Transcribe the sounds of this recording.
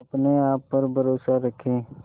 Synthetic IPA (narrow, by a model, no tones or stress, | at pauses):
ɐpneaːpːɐɾbʱəɾoːsaɾəkʰẽː